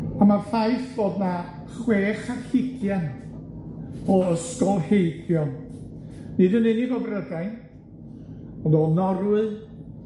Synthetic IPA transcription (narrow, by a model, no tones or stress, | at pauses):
amafajθv̥oːdna | χweːχaɬɪɡʰjan | ɔəskɔlˠhejɡjɔn | nidunɪnivɔbrədajn | ɔnoːlˠnɔɾwɨð